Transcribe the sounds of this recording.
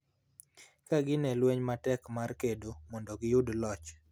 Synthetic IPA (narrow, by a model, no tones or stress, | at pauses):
kaɡɪnɛlweɲmatɛkmarkedomɔndɔɡɪjʊdlɔt͡ʃ